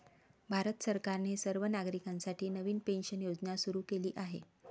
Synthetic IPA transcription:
bʱaɾət̪səɾkaɾnesəɾʋənaɡɾikãnsaʈʰiːnəʋiːnpenɕənjod͡znasuɾuːkeliːʔaɦḛ

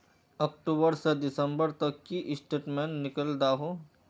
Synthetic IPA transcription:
ɔːkʈuːbəɾsed̪ɪsə̃mbəɾt̪ɐkːiʔɪsʈeːʈmẽːnːɪkəld̪aːɦoː

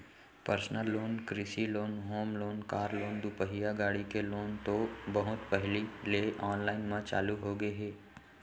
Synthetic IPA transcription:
pəɾsnəlːoːnkɾɪsiloːnɦoːmloːnkaːɾloːnd̪upəɦijaɡaːɽikeloːnt̪obɐɦʊt̪pɛɦlileːʔɔːnlaːɪnmãt͡ʃa̰ːluɦoɡəeɦeː

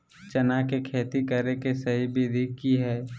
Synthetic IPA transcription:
t͡ʃɐnakekʰeːt̪ikəɾekesɐɦibʱid̪ʱikːiɦɛː

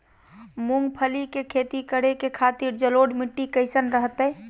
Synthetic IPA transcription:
muŋɡpʰəlikekʰet̪ikəɽekekʰat̪iɾd͡ʒəloɖmiʈːikəɪsənɾəɦt̪ə

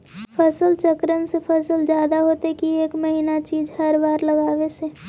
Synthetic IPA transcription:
pʰəsəlt͡ʃəkɾənsepʰəsəld͡ʒjaːd̪aɦoːt̪ekieːkməɦiːnat͡ʃiːd͡ʒhəɾbaːɾləɡaːʋese

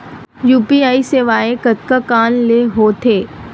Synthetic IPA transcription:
juːpiaːiseːʋaːekət̪kakaːnleɦoːt̪ʰeː

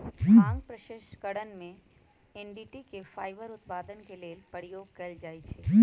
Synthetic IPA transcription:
ãːŋɡpɾəʃeʃkəɽənmẽ | ɛnɖiːʈikefaːɪbəɾʊt̪paːd̪ənkeleːlpəɾijoːɡkɐld͡ʒaːit͡ʃʰeː

